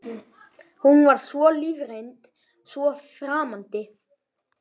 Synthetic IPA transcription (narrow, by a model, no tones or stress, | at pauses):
hunvaɾ̥svɔliːvrejnt̪ | svɔfɾaːmant̪ɪ